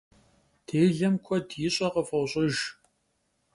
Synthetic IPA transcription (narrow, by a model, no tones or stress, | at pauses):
tʰeːɮɐmkʷʰɔdjɪɕʼɐqəfɐwɕʼɪʒ